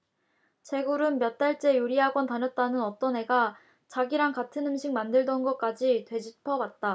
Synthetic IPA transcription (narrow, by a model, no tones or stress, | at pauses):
t͡ɕe̞ɡuɾɯnmjʌt̚t͈aɭt͡ɕ͈e̞juɾiɦaɡwʌntanʌt̚t͈anɯnʌt͈ʌne̞ɡa | t͡ɕaɡiɾaŋkatʰɯnɯmɕʰik̚mandɯɭdʌnɡʌk͈ad͡ʑitwe̞d͡ʑipʰʌwat̚t͈a